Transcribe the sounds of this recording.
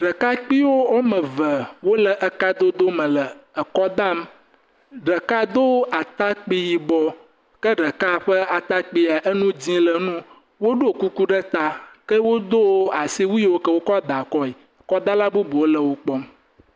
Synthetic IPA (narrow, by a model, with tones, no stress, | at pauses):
ɖə˨ka˦k͡pi˦wo˦o˦mə̃˨və˨wo˦lə˨ʔə˨ka˦d̪o˦d̪o˦mə̃˨lə˨ə˨kɔ˦d̪a˦m | ɖə˨ka˦d̪o˦a˨t̪a˦k͡pi˦ji˨bɔ˨ | kə˦ɖə˨ka˦ɸə˦a˨t̪a˦k͡pi˦a˨ʔə˦nũ˦d͡ʑĩ˦lə˨nũ˦ | wo˦ɖo˦˨ku˦ku˦ɖə˦t̪a˨kə˦wo˦d̪o˦wo˦a˨si˦wu˦i˦wo˦kə˦wo˦kɔ˦d̪a˨kɔ˦i˨kɔ˦d̪a˦la˦bu˦bu˨wo˦lə˨wo˦k͡pɔ˦m